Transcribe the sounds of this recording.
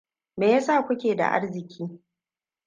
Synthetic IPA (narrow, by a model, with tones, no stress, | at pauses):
meː˨ja˦saː˦˨kʷʊ˦kʲeː˨da̰˨ʔa̰˦rzɪ˨kʲʰiː˦